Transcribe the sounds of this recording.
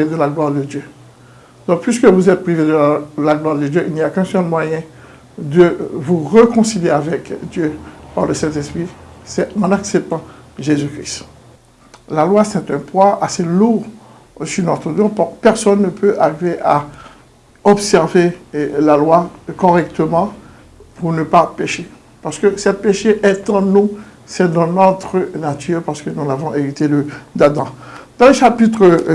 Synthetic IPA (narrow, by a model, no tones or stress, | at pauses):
ed̪əlaɡlwaʁd̪əd̪jø | d̪̥ɔ̃k̚pʰɥiskəvuzɛt̪̚pʁived̪əlaɡlwaʁd̪əd̪jøʔilnijakɛ̃sɔlmwajɛ̃ | d̪əvuʁəkɔ̃siljeavɛkd̪jøpaʁləsɛ̃t̪ɛspχisɛɑ̃naksɛp̚t̪ɑ̃ʒezykʁist̪ | lalwasɛt̪ɛ̃pwãʔaseluʁ | syʁnɔt̪χəd̪ɔpupɛʁsɔnːəpʰøʔaʁiveʔa | ɔbsɛʁvelalwakɔʁɛk̚t̪əmɑ̃ | punəpapeʃe | paʁsə̥kəsɛt̪̚peʃeʔɛt̪ɑ̃nu | sɛd̪ɑ̃nɔt̪χənat̪yʁpaʁsə̥kənulavɔ̃ʔeʁit̪eləd̪ad̪ɑ̃d̪ɑ̃leʃapit̪χə